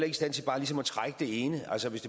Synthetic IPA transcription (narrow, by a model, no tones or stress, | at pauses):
l̰ɐeɡisd̥æn̰t͡sʰe̝b̥ɑ̈ːlis̬ɒ̽mɒt͡sʰʁaɡ̥əd̥e̝eːnəʔælsəʋe̝sd̥e̝